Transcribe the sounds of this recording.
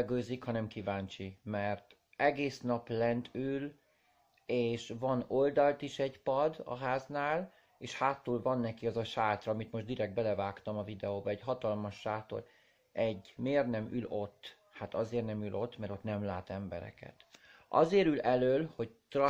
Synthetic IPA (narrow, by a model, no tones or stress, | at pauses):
ɡøːzikhɒnɛmkivaːɲt͡ʃimɛrt̪ | ɛɡeːsnɒplɛnt̪ʰyl | eːʃvɒno̞ld̪ɒlt̪iʃɛɟpɒd̪ɒ̰ɦaːznaːl | eːʃhaːt̪ːuːlvɒnːɛkiɒzɒʃaːt̪rɒɒmit̪moʒd̪iɾɛɡ̚d̪̚bɛlɛvaːkt̪ɒmɒvid̪ɛoːbɒɛɟɦɒt̪ɒlmɒʃːaːt̪o̰l | ɛɟːmeːrnɛmylot̪ː | hat̪ɒzeːrnɛmylʔo̞t̪ːmɛɾo̞t̪nɛmlaːt̪ɛmbɛ̰ɾɛ̰kɛ̰t̪ʔɒ̰zeːɾylɛløːlho̞t̪rɒ